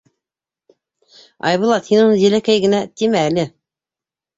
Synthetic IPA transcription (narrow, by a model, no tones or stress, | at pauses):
ɑ̰jβŭlˠɑt̪hinunɤzɘlækæjɡɘ̆næt̪imæːlɘ